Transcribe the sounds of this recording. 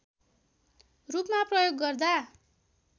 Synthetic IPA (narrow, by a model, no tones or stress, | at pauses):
rupmaprʌjoɡːʌrd̪a